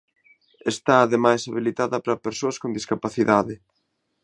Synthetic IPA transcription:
est̪aːðemajsaβilit̪aðɐpɾɐpeɾsoɐskond̪iskapaθiðaðɪ

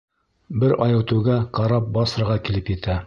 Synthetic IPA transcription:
bɘɾʔɑjɤ̆wt̪ɘ̆wɡæqɑɾɑp̚bɑsɤ̆ɾʁɑkilɘpjɘ̆t̪ʰæ

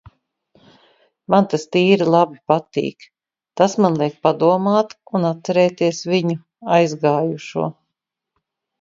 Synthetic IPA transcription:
mant̪ast̪iːɾilˠabipat̪ḭːk | t̪asmanlˠiɛk̚pad̪uɔmaːt̪unat̪sɛɾɛːt̪iɛsviɲu | ajzɡaːjuʃṵɔ

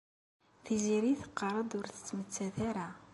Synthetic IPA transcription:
θiziɾiθə̥qːɑɾˤɑd̪ʊɾθə̥t͡sːmət͡sːæθaɾa

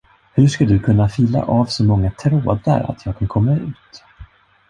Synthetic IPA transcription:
hɵʂkad̪ɵkʰɵnːafiːla̰ʔaːvsɔmɔŋːat̪ʰɾoːd̪a̰ɾa̰t̪ʰjɑːɡ̚kʰankʰɔmːaʉ̟ːt̪

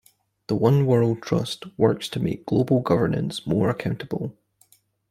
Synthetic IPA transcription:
ðəwʌ̃nwɜ˞lˠd̚tʰɹ̥ʌ̰stwɜ˞kstʰəmḛk̚ɡ̥lˠobəl̩ˠɡʌvə˞nə̰̃nsmɔɹəkʰãʊ̃nʔəbəlˠ

